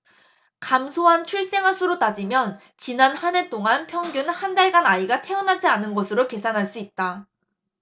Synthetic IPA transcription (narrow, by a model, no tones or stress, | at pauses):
kamsʰoɦant͡ɕʰuɭs͈e̞ŋɦasʰuɾot͈ad͡ʑimjʌn | t͡ɕinanhanet͈oŋanpʰjʌŋɡjunhandaɭɡanaiɡatʰe̞ʌnɦad͡ʑianɯnɡʌsʰɯɾoke̞sʰanɦaɭs͈uit̚t͈a